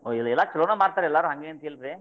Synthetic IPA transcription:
oːilɐɛlːaːt͡ʃɐloːnɐmaːɽ̚t̪aɾɛɛlːaːɾuːɦɐŋɡeːnt̪eːlɾi

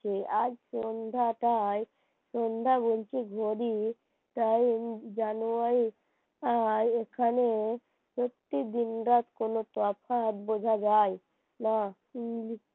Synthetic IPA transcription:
t͡ʃead͡ʒsond̪ʱaʈaj | sond̪ʱabolt͡ʃʰiɡʱoɾi | t̪ajd͡ʒanuaɾi | ad͡ʒekʰane | pɾot̪ːid̪inɾat̪konot̪wapʰat̪bod͡ʒʱad͡ʒaj | na | li

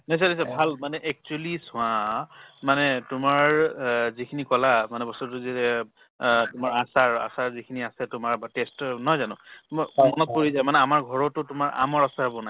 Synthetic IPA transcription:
nasanis̬abʱalmanɛʔɛk̚t͡ʃuɛlisʊãmanɛtʊmaɹzikʰinikɔlamanɛbɔstutʊzitɛ | tʊmaɹasaɹa̰saɹzikʰiniasɛtʊmaɹbatestnɔɦjzanʊ̃tʊmaɔmɔnɔt̚poɹizajmanɛamaɹɡʱɔɹɔtʊtʊmaɹa̰mɔɹasaɦɔbɔnaj

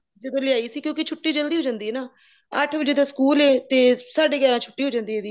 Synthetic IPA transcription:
d͡ʒəd̪õːlɪaːiːsiːkjõːkɪt͡ʃʰʊʈːiːd͡ʒəld̪iɦoːd͡ʒãːnd̪iːɛːnaː | əʈʰbəd͡ʒeːd̪aːskuːleːt̪eːsaːɖeːɡɛːɾãːt͡ʃʰʊʈːiːɦoːd͡ʒãːnd̪iːɦeːd̪iː

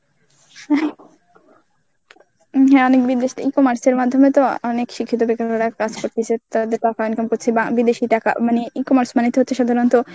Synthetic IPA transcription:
hɛ | ɦɛɔnek̚bid̪eʃit̪ikomaɾseɾmad̪ʱːomet̪oɔnekʃikʰːit̪̬obekaaɾakad͡ʑkoɾt̪ʰit͡ɕʰet̪ad̪eɾt̪akaonkampoɾt͡ɕʰebabid̪eʃit̪aka̰maniikomaɾsmanit̪oɦotːt͡ɕʰeʃad̪ʱaɾont̪o

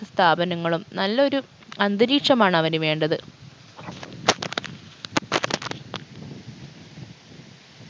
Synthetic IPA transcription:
ɐst̪ʰaːbɐnɐŋːɐɭumnɐlːɐo̞ɾu | ɐnd̪ɨɾiːkʂɐmaːɳɐʋɐnuʋe̞ːɳɖɐðɨ

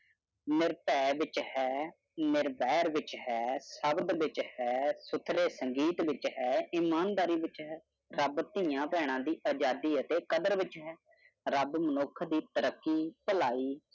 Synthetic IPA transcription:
nɪɾpɛːʋɪt͡ʃhɛː | nɪɾbɛːɾʋɪt͡ʃhɛːsəbd̪ʋɪt͡ʃhɛːsʊt̪ʰːɾeːsəŋɡiːt̪ʋɪt͡ʃɦɛːɪmaːnd̪aːɾiːʋɪt͡ʃɦɛː | ɾəbt̪ĩːjãːpɛːɽ̃ãːd̪iːaːd͡ʒaːd̪iːət̪eːkəd̪əɾʋɪt͡ʃɦɛː | ɾəbmənʊkʰd̪iːt̪əɾəkːiːpəlaːiː

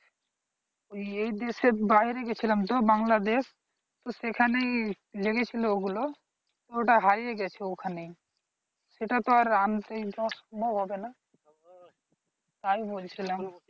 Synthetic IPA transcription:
oeid̪esebaːɦiɾeɡet͡ʃʰiləmt̪obãŋɡlad̪eːs | t̪osekʰanɐĩ | d͡ʒɐɡet͡ʃʰilooɡulo | t̪oʈaɦaɾijeɡɛt͡ʃʰeokʰanəĩ | seʈat̪oaɾaːnt̪eibɔsbʱoɦobena | t̪aːibolt͡ʃʰiləm

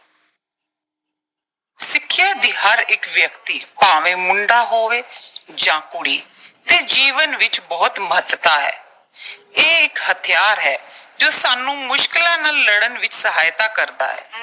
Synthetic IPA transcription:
sɪkʰːjaːd̪iːhəɾɪkʋjəkt̪iːpaːʋẽːmʊɳɖaːɦoːʋeːd͡ʒãːkʊɽiːt̪eːd͡ʒiːʋənʋɪt͡ʃbɔːt̪məɦət̪t̪aːɦɛ̰ː | eːɪkhət̪ʰɪjaːɾɦɛːd͡ʒoːsaːnũːmʊʃkɪlãːnəlːəɽənʋɪt͡ʃsəɦaːjt̪aːkəɾd̪a̰ːɦɛ̰ː

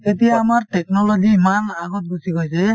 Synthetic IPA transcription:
etijaːmaɹʈɛknɔlɔɡiːmanaɡɔt̚busiɡojsɛ

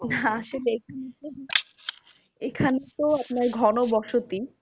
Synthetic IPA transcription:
naʃeleek̚ʰaneo | ekʰanet̪oapnaɾɡʱɔnobɔʃot̪i

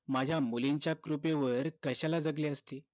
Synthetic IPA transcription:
mad͡ʑʱjamuliɲt͡ɕjakɾupeʋəɾkəɕalad͡zəɡleəst̪e

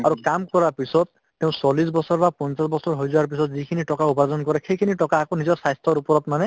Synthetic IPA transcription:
aɾukamkɔɾaɾpisɔt̪̚ːeʊ̃sɔlis̬bɔsɔɾbapɔnsasbɔsɔɾɦojzɔaɾp̬isɔt̪̚zikʰiniʈɔkaupazɔnkɔɾɛkʰejkʰiniʈɔkaːkonizɔɾsajst̪ʰɔɾupɔɾɔt̪mane

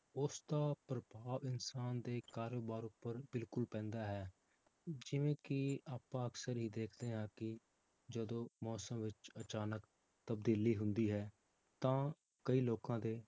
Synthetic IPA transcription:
ʊsd̪aːpɾəbaːʋɪnsaːnd̪eːkaːɾoːbaːɾʊpːəɾbɪlkʊlpɛ̃ːnd̪aːɦɛː | d͡ʒɪʋẽːkɪaːpãːəksəɾɦiːd̪eːkʰd̪eːɦãːkɪ | d͡ʒəd̪õːmɔːsəmʋɪt͡ʃət͡ʃaːnək | t̪əbd̪iːliːɦʊ̃nd̪iːɦɛː | t̪ãː | kəiːloːkãːd̪eː

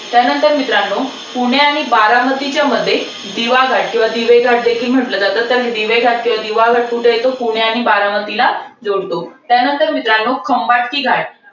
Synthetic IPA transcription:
t̪janənt̪əɾmit̪ɾaɳːo | puɳ̃jaaɽ̃ibaɾamət̪it͡ɕjaməd̪ʱːje | d̪iʋaɡʱaʈ̚kĩw̃ʋad̪iʋəjɡʱaʈ̚d̪ekʰiːlm̤əʈləːt̪at̪ət̪əɾɦed̪iʋəjɡʱaʈ̚kĩw̃ʋad̪iʋaɡʱaʈ̚puʈʰejet̪opuɽ̃jaɽ̃ibaɾamət̪ilad͡zoɽt̪ot̪janənt̪əɾmit̪ɾaɳːokʰəmbaʈkiːɡʱaʈ̚

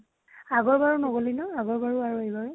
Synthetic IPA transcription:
aɡɔɹbaɹunoɡolinɔaɡɔɹbaɹuaɹuejbaɹɛ

